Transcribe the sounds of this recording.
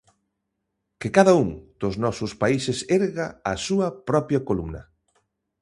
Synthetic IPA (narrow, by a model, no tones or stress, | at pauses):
kɪkaðɐuŋd̪̥ʊznɔsʊspaisɪseɾɣaːsuɐpɾɔpjɐkolumnɐ̰